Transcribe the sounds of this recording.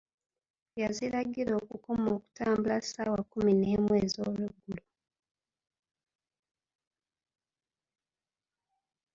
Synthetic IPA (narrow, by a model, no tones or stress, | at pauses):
jaziɾaɡiɾo̞ːkukomo̞ːku̥taːmbulasaːwakumineːmwe̞ːzo̞̰ːlweɡːulu